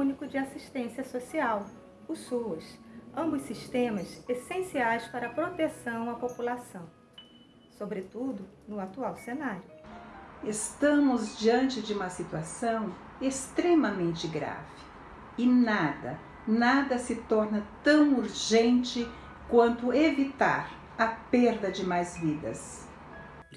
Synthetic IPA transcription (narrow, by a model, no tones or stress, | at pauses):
ũnikʊd͡ʒɪasiʃt̪ẽsiɐsosiaw | ʊsuɐsɐ̃mbʊsiʃt̪ẽmɐsesẽsiajspaɾɐpɾot̪esɐ̃w̃ɐpopulasɐ̃w̃ | sobɾet̪ud̪ʊ | nʊat̪uawsenaɾjʊ | est̪ɐ̃mʊzd͡ʒiɐ̃nt͡ʃɪd͡ʒɪũmɐsit̪uasɐ̃w̃ | est̪ɾemɐmẽnt͡ʃɪɡɾa̰v̥ɪ | ɪnad̪ɐ | nad̪ɐsɪt̪ɔɾnɐt̪ɐ̃w̃uɾʒẽnt͡ʃɪ | kwɐ̃nt̪ʊevit̪a̰ɾ | ɐpeɾd̪ɐd͡ʒɪmajzvid̪ɐ̰s